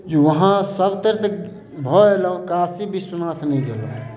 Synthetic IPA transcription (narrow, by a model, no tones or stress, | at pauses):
d͡ʒuʋəɦãsəbt̪əɾt̪ʰ | bʱɔelɔkaːsibʱisunat̪ʰnəĩd̪elɔ̰